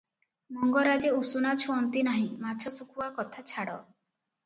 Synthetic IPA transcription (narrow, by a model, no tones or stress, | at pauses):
mɔŋɡɔɾad͡ʒeusunat͡ʃʰɔɔnt̪inaɦĩmat͡ʃʰɔsukʰuakɔt̪ʰat͡ʃʰaɽɔ